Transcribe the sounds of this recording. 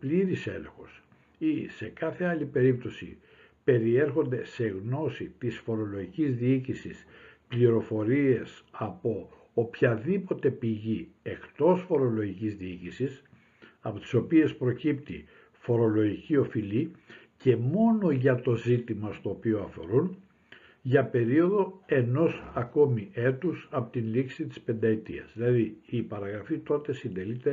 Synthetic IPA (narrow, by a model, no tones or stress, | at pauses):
pliɾise̞̰lḛxo̞̰s | ise̞kɐθe̞ɐlipe̞ɾip̚t̪o̞sḭ | pe̞ɾieɾxo̞nd̪e̞se̞ɣno̞sit̪isfo̞ɾo̞lo̞ʝicizðiicisispliɾo̞fo̞ɾie̞sɐpo̞ | opçɐðipo̞t̪e̞piʝie̞kt̪o̞sfo̞ɾo̞lo̞ʝicizðiicisis | ɐpo̞t̪i̥so̞pie̞spɾo̞cipt̪ḭ | fo̞ɾo̞lo̞ʝicio̞fili | ce̞mo̞no̞ʝɐt̪o̞zit̪imɐst̪o̞ːpio̞ɐfo̞̰ɾun | ʝɐpe̞ɾio̞ðo̞e̞no̞sɐko̞miʔe̞t̪usɐpot̪inliksit̪i̥spe̞nd̪ɐet̪ḭɐ̰zðilɐðiːpɐɾɐɣɾɐfit̪o̞t̪e̞sind̪e̞lit̪e̞